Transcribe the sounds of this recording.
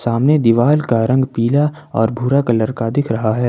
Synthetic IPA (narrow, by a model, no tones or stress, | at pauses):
saːmned̪ɪʋaːlkaɾɐ̃ŋɡpiːla | ɔ̰ːɾbʱuːɾakɐləɾkad̪ɪkʰɾɐɦaɦɛː